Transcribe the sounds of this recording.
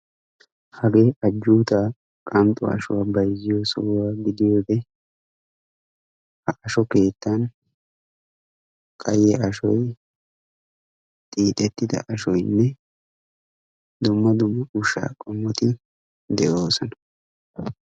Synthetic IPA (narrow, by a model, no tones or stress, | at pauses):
hɐɡe̞ːʔɐd͡ʒːuːt̪aː | kʼɐmt̪ʼɔ̰ɐ̰ʃʊwaːbɐjzːɪjɔsɔwwaːɡɪd̪ɪjoːd̪ɛ | hɐʔɐʃɔke̞ːt̪ːɐn | kʼɐjːɛʔɐʃɔj | t̪ʼiːt̪ʼɛt̪ːɪd̪ɐ̰ʔɐʃɔjnːɛ | d̪ʊmːɐd̪ʊmːɐʔʊʃa̰ːkʼɔmːɔt̪ɪ | d̪ɛʔo̞ːsɔnɐ̥